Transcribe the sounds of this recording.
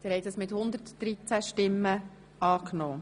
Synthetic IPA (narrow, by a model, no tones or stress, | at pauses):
d̥̪ɛːɾhɛɪtdəsmɪt̪hʊnd̪əɾtd̥ɾit͡sæʃtɪmːə | ɑːknoː